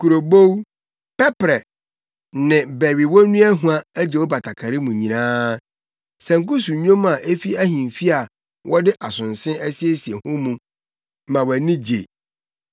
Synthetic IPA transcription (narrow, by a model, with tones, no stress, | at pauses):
kʰu˨ɾo˨bo˦w | pɛ˦pɾɛ˨ | nɪ̃˨bɛ˨ɥi˨wɔ˦nũ˦æ˦ɦũ˦a˦æ˦d͡ʑɛ˨wɔ˦ba˨tʰa˨kʰa˨ɾi˦mũ˨ɲĩ˨nãː˦ | sɛ̃˨ŋ̩˨kʊ˦su˨ɲ˦õ˦m˦a˨ʔe˦fi˦æ˦hĩ˨mfi˦a˨ | wʔɔ˦dɪ˦ʔa˨sʊ̃˨n˨sɪ̃˦ɛ˦si˦e˦si˨e˨hʊ̃˦mũ˦˨ | mã˨wæ˨nĩ˦d͡ʑḛ˨